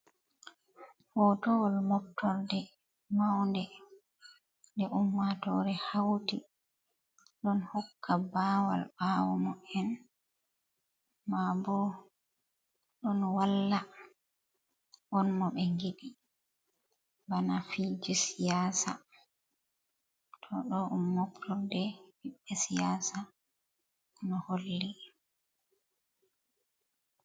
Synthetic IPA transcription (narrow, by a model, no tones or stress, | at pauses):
hɔtɔwɔlmɔp̚tʰːɔɾdɛ | mawndɛ | ndɛʔumːatɔɾɛhawti | ɗɔnhɔkʰːabaːwa̰lɓawɔmɔɛn | mabɔ | ɗɔnwalːa | ʔɔnmɔɓɛŋɡiɓi | banafid͡ʒusijaːsa | tʰɔɗɔʔɔnmɔktʰɔldɛbiɓːɛsijaːsa | nɔholːi